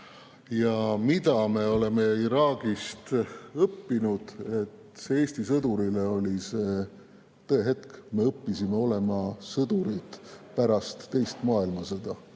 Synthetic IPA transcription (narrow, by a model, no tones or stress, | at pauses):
jɑmid̪ɑme̞o̞le̞me̞iɾɑːɡ̥ist̪ɤpːinud̪̥e̞t̪ | see̞ːsʲt̪isɤd̪̥uɾile̞o̞lʲise̞ː | t̪ɤe̞ɦe̞t̪kme̞ɤpːisime̞o̞le̞mɑsɤd̪̥uɾid̪̥pæɾɑst̪ːe̞jst̪mɑːilmɑsed̪̥ɑ